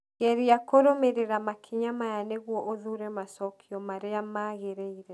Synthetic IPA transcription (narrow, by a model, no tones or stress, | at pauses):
ɣɛɾiakoɾomeɾeɾamakʰiɲamajaneɣwɔʔoðuɾɛmasɔkʰiɔmaɾeamaɣeɾeiɾɛ